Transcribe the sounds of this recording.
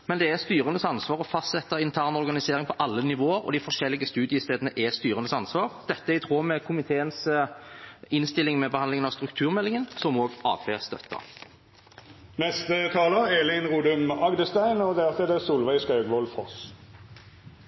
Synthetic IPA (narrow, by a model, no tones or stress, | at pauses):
mɛnd̪ɛɛst̪yːʁənəsɑnsʋɑːʁɔfɑst̪sɛt̪ːəɪnt̪ʰæːʁnɔʁɡɑnɪseːʁɪŋpʰɔʔɑlːənɪʋoːəɾɔ̰d̪ɪfɔʁʃɛlːɪɡəst̪ʉːd̪ɪəst̪eːd̪ənəʔɛst̪yːʁənəsɑnsʋɑːʁd̪̥ɛt̪ːəæɪt̪ʰʁoːmɛkʰʊmɪt̪ʰeːəns | ɪnst̪ɪlːɪŋmɛbəhɑnlɪŋənɑʋst̪ɾʉk̚t̪ʰʉːʁmɛlːɪŋənsɔmoːɡɑ̰ːpʰeːst̪œ̰t̪ːə̰ | nɛst̪ət̪ʰɑːləeːlɪnʁuːd̪ʉmɑɡd̪əst̪æɪnɔd̪æʁfɛd̪ɛsuːlʋæɪskɑʉɡʋɔlfɔʁs